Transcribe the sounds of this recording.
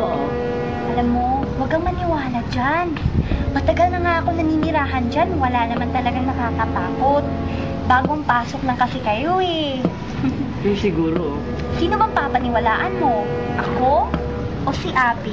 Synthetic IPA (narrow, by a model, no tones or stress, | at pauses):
ʔoʔo | ʔɐlamːo̞ | wɐɡɐŋmɐnɪwaːlɐd͡ʒanmɐt̪ɐɡalnɐŋaʔɐko̞nɐniːnɪɾaːɦɐnd͡ʒanwɐlaːnɐmant̪ɐlɐɡaŋnɐkakɐp̪aːko̞t̪̚ | baːɡoŋpaːso̞k̚lɐŋkɐsɛkɐjo̞ɛ | osɪɡuːɾo | siːnobɐŋpapɐnɪwɐlaːʔɐnmo̞ʔɐko̞ | ʔosiʔaːpi